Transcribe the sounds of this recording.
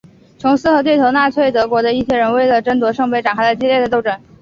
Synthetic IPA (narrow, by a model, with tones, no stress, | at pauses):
t͡sʰʊ˧˥ŋsɹ̩˥xɤ˧˥t̪we˥˩ɪt̪ʰo˧˥ʊna˥˧t͡sʰwe˥˩ɪt̪ɤ˧˥kwɔ˧˥d̪ə˧i˥˩ɕʰjɛ˥˩ɻə˧˥nwe˥˩ɪlə˩ʈ͡ʂə˥nt̪wɔ˧˥ʂɤ˥˧ŋpe˥˩ɪʈ͡ʂa˨˩nkʰa˥lə˧˩t͡ɕjɛ˥ljɛ˥˩də˩t̪̬o˥˧ʊʈ͡ʂə˥˩n